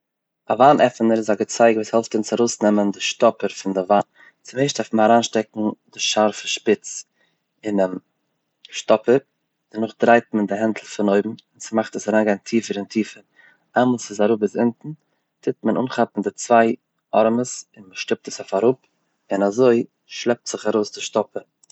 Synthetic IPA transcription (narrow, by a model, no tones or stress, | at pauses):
a̰vaːnʔɛfənəɾɪzaɡət͡saɪɡvuːshɛlˠftɪnsaɾoʊsnɛməndɪʃtɔpəɾfɪndɪvaːn | t͡sɪmeɪʃtdɛɾftmənaɾaːnʃtɛk̚ŋ̩dɪʃaɾfəʃpɪt͡s | ɪn | ʃtɔpəɾ | d̥ənʊχdɾaɪt̚məndɪɦɛntʰl̩ˠfɪnoʏbm̩ɪnsɪmaχtəsaɾaːnɡaɪntʰiːfəɾɪntʰiːfəɾ | ʔaməlˠsɪsaɾʊp̬ɪsɪntn̩ | tʰɪtmənʔṵːnχapn̩dɪt͡svaɪ | ʔɔɾməsɪnməʃtɪp̚təsafaɾʊp | ɪnazoɪ | ʃlˠɛp̚tz̥ɪχaɾoʊsdɪʃtɔpəɾ